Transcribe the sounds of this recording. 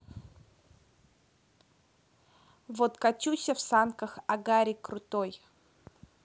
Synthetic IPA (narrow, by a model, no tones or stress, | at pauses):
vot̪kɐt͡ɕʲusʲəfsankəxɐɡaɾʲɪkɾʊt̪oj